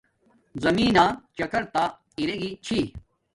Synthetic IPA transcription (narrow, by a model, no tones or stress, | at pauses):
zɐmiːnaːt͡ɕɐkɐɾt̪a | iɾeɡit͡ɕʰi